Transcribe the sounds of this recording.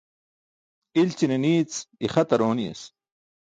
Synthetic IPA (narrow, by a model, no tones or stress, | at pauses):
ilt͡ɕineniːt͡siχɐt̪ɐɾoːnijḛs